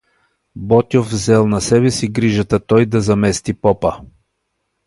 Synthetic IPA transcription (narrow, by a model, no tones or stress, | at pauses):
bɔt̪ʲovvzɛlˠnɐsɛβɛsiɡɾiʒət̪at̪ɔjd̪ɐzɐmɛst̪ipɔpə